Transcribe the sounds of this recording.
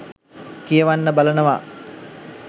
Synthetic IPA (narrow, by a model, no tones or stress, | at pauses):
kijəʋanːəbalənəʋa